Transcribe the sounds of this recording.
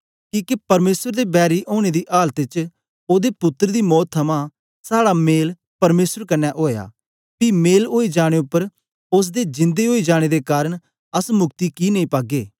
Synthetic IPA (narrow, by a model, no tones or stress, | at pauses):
kiːkepɐɾmeːsəɾd̪eːbɛːɾiʔoːɽ̃ed̪iʔaːlt̪ɪt͡ʃ | oːd̪epʊt̪ːəɾd̪iːmɔːt̪ʰːɐmã | saːɽameːl | pɐɾmeːsəɾkɐnːɛʔoːja̰ː | piːmeːlɦoːid͡ʒaːɽ̃eʊpːəɾ | ʊs̬d̪ed͡ʒɪ̃nd̪eɦoːid͡ʒaːɽ̃ed̪ekaːɾəɽ̃ | ɐsmʊkt̪ikinɐĩpaːɡeː